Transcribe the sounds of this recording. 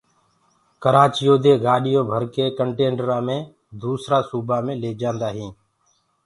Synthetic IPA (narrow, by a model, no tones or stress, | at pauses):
kəɾaːt͡ʃɪjoːd̪eːɡaːɗɪjõːbʱəɾkeːkəɳʈeːɳɖɾaːmẽː | d̪uːsɾaːsuːbaːmẽːleːd͡ʒãːnd̪aːɦĩː